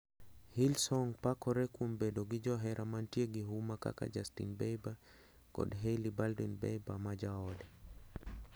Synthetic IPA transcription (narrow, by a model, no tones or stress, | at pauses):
hilsɔŋpakɔɾɛkumbɛdɔɡid͡ʒɔɦɛɾamantiɛɡiɦumaka̰ka̰d͡ʒastḭnbɛjba | ɡ̥ɔ̰dɦɛlibaldinbɛ̰jbamad͡ʒaɔlɛ